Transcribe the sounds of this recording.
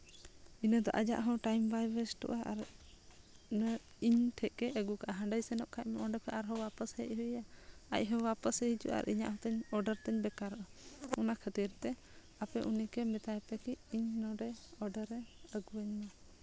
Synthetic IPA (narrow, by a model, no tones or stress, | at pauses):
inəd̪ɔ̰ʔad͡ʒa̰ʔɦɔ̃wʈajmbajbəsʈɔ̰ʔaʔa̰ɾ | nə | iɲʈʰɛʔkɛʔəɡukaʔaɦə̃ɖəjsɛnɔʔ̚kʰac̚mɛʔɔɳɖɔkʰɛʔaɾɦɔwapəshɛʔ̚ˀɦuaa̰c̚ɦɔ̃wapəshɛɦid͡ʒṵʔa̰ɾʔiɲa̰ʔhɔ̃t̪ɛɲɔɖəɾt̪ɛɲbɛkaɾɔʔaɔnakʰət̪iɾt̪ɛ | apɛʔunikɛmɛt̪ajpɛkiiɲnɔɖɛɔɖəɾːɛəɡuəɲmɛ